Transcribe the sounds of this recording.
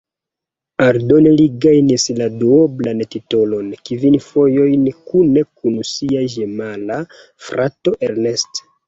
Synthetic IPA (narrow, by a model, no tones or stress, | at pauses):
aɾdo̞neliɡajnisladuoblantitolo̞nkivinfo̞jo̞jnkune̞kunsiaʒemala | fɾʔato̞ʔeɾne̞st